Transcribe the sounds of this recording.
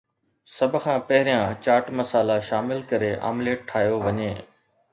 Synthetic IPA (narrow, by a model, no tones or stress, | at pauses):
sɐbʱʊ̆kʰãːpɐɦɪɾijãt͡ɕaːɾʈmɐsaːlaʃaːmɪlkɐɾeʔa̰ːmleːʈ̚ʈʰːaːɦijoʋɐɲeː